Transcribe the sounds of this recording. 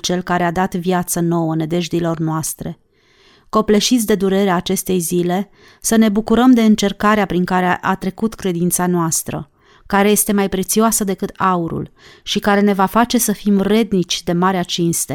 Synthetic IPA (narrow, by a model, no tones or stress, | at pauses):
t͡ʃe̞lkaɾead̪at̪vjat̪səno̞wəne̞d̪e̞ʒd̪ilo̞rnoast̪ɾe̞ | ko̞ple̞ʃit̪sʲd̪e̞d̪uɾe̞ɾeaːt͡ʃe̞st̪e̞jzile̞ | səne̞bukuɾəmd̪e̞ɨnt͡ʃe̞rkaɾeapɾiŋkaɾeʔat̪ɾe̞kut̪kɾe̞d̪int̪sanoast̪ɾə̰ | kaɾe̞je̞st̪e̞majpɾe̞t̪sioasəd̪e̞kɨt̪auɾṵlʃikaɾe̞ne̞vafat͡ʃe̞səfimre̞d̪nit͡ʃʲd̪e̞maɾeat͡ʃinst̪e